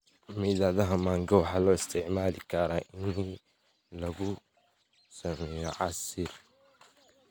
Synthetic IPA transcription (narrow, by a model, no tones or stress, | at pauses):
miːðaːðɐɦɐmaːŋɡɐwɑħɑːlɔːɪst̪ʰɪʕmaːlɪkʰɐɾaʔɪn | lɐɣʊ | sɐmɛːjɔʕɑsɪr